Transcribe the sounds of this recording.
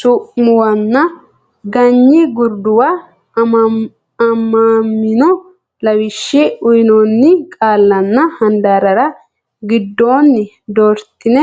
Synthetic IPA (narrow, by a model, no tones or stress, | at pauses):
sʊʔmʊwɐnːɐ | ɡɐɲːɪɡʊɾd̪ʊwa | ɐmːɐmːɪnɔ | lɐwɪʃːɪʊjɪnonːɪkʼaːlːɐnːɐhɐnd̪aːɾɐɾɐ | ɡɪd̪ːoːnːɪ | d̪oɾt̪ːɪnɛ